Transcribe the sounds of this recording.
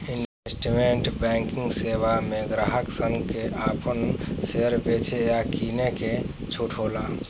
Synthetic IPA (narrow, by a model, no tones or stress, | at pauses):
inesʈimeɳʈbɛ̃ŋkɪ̃ŋɡseʋamẽɡɾaɦəksəŋɡkeaːpənseɾbet͡ʃʰejakineke | t͡ʃʰuʈʰola